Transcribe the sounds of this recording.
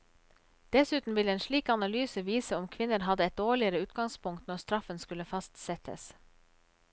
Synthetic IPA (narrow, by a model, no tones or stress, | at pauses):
d̪̥ɛsʉːt̪n̩ʋɪləeːnʃɭiːkɑnɑlyːsəʋiːsəɔmkʰʋɪnːəɾɦɑd̪əɛt̪̚d̪oːɭɪəɾəʉːt̪̚ɡɑŋspʰʊŋkt̪nɔɾst̪ɾɑfənskʉləfɑst̪sɛt̪ʰə̰s